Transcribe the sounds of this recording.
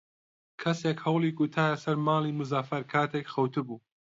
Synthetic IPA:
kʰɐsekhɐwlˠiːɡut̪ʰaːjɐsɐɾmaːlˠiːmʊzaːfɐɾkʰaːt̪ʰekxɐwt̪ʰɨbuː

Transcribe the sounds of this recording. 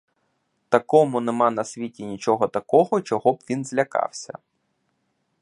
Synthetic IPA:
t̪ɐkɔmʊnemɑnɐsʲʋʲitʲinʲit͡ʃɔɦɔt̪ɐkɔɦɔt͡ʃɔɦɔbʋʲinzʲlʲɐkɑ̰wsʲɐ̰

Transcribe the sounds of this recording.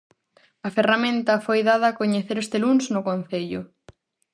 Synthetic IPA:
ɐferamẽnt̪ɐfojðað̞ɐːkoɲeθeɾest̪elunznʊkõn̟θeʎʊ

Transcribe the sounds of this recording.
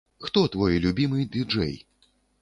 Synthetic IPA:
xt̪ɔt̪vɔjlʲubʲimɨjd̪ʲɨd͡ʐɛ̰j

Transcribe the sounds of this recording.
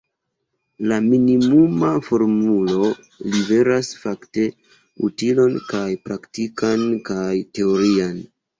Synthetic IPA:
laminimumafo̞ɾmulo̞ | live̞ɾasfakte̞ | ṵtilo̞nkajpɾaktikankajte̞o̞ɾian

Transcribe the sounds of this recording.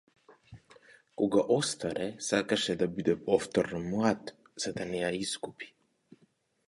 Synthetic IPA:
kɔɡaʔɔst̪aɾɛsakaʃɛd̪abid̪ɛpɔft̪ɔɾnmlˠat̪ | z̥ad̪anɛjaiskupi̥

